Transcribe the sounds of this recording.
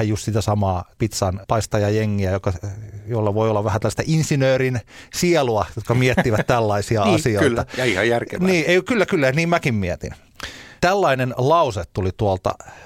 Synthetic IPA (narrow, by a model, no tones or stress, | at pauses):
æjjust̪sit̪æsɑmɑːpit̪sɑnpɑist̪ɑjɑjeŋːiæjokːɑjoilːɑʋoiolːɑʋʋæhænt̪ælːst̪æʔinsinøːrinsiɛluɑjot̪kɑmiɛt̪ːiʋæt̪t̪ælːɑisiɑɑsioit̪ɑɑihɑjjærkḛniːeikylːækylːæniːmmækimmiɛt̪ḭn | t̪ælːɑinenlɑuset̪t̪ulit̪uolt̪ɑ̰